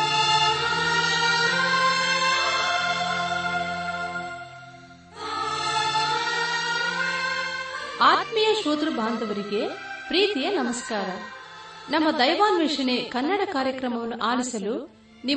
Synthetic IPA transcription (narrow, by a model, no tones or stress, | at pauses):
aːt̪mijɐʃoːd̪ɾubʱaːnd̪ɐʋɐɾiɡe̞pɾiːt̪ijɐnɐmɐskaːɾɐ | nɐmːɐd̪ɐjʋaːnʋiʂɐnekɐnːɐɽɐkaːɾjɐkɾɐmɐʋɐnːuʔaːlisɐlu | ni